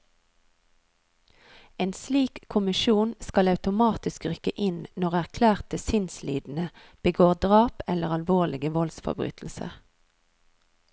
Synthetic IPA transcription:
eːnsliːkʰːʊmɪʃuːnskɑlɑʉt̪ʊmɑːt̪ɪskʁʏkəʔɪnnɔʁæʁkʰlæːʁt̪əsɪnslḭːd̪n̩ə | b̥əɡoːʁd̪ʁɑːpɛləʁɑlʋoːlɪɡəʋɔlsfɔ̰bʁy̰ːt̪ʰl̩sə̰

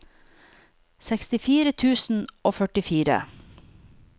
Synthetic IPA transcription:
sɛkst̪ɪfiːɾət̪ʰʉːsn̩oːfœʈɪfiːɾə̰

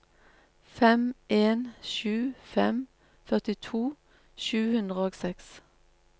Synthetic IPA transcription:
fɛmʔeːnʃʉːfɛm | fœʁt̪ɪt̪ʰuː | ʃʉːhʉnd̪ʁəoːɡsɛks

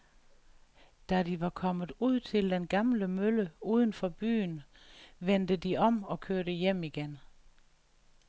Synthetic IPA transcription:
d̥ædiʋɑ̈kʰɒ̽mð̩ˠuð̞̰ˠt͡sʰe̝ld̥enɡ̥ɑ̈mləmøləuːð̞ˠən̩fɒ̽b̥y̰ːnʋend̥əd̥iʔɒ̽mɒ̽kʰøɐɾəjem̰iɡ̥en

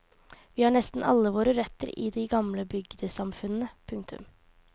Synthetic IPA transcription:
ʋiːhɑːɳɛst̪n̩ɑ̰lːəʋoːɾəɾɛt̪ːə̰ɾɪ̰d̪ɪɡɑmləbʏɡd̪əsɑmfʉnn̩əpʰʉŋkt̪ʰʉ̰m

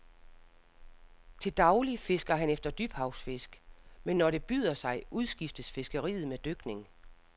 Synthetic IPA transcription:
t͡sʰe̝ld̥ɑ̈ʊlife̝sɡ̥ɐɦænefd̥ɐd̥yb̥hɑ̈ʊsfe̝sɡ̥menːɒɾe̝b̥y̰ːð̞ˠɐsɑ̈ɪʔuðˠsɡ̥ifd̥əsfe̝sɡ̥əʁḭːð̩ˠmed̥øɡ̥ne̝ŋ

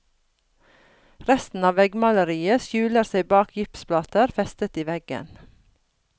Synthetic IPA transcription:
ɾɛst̪n̩ɑːʋɛɡmɑləɾiːəsjʉːləɾseɪbɑːkʰjʏpsplɑːt̪əɾfɛst̪ət̪iːʋɛɡə̰n

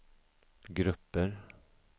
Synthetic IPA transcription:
ɡɾɵpːəɾ

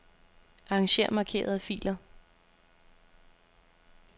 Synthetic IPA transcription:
ʔɑɑŋɕe̝ɐ̰mɑ̈kʰe̝̰ːɐð̩ˠæfḭːlɐ

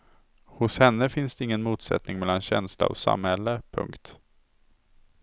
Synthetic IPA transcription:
hʊshɛnːəfɪnsd̪̥ɛɪŋːənmuːt̪sɛ̰t̪nɪŋmɛlːanɕɛnsla̰ɔ̰sa̰mhɛlːəpʰɵ̰ŋkt̪

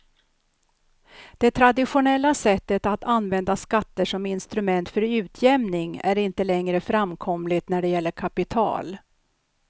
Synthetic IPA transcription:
d̪̥ɛt̪ʰɾad̪ɪɧʊnɛlːasɛt̪ːət̪at̪ʰanvɛnd̪askat̪ːəʂɔmɪnst̪ɾɵmɛnt̪fœɾʉ̟ːt̪ʰjɛmnɪŋæɾɪnt̪əlɛŋɾəfɾamkʰɔmlɪt̪næɖɛjɛlːəɾkʰapɪt̪ʰɑ̰ːl

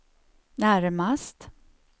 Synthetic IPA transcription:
næɾmast̪

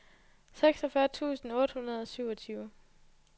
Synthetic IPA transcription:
seɡ̥sɒ̽fɶɐt͡sʰṵːsn̩ɔ̽ːd̥hunɐð̞̩ˠɒ̽syʊɒ̽t͡sʰyːʊ

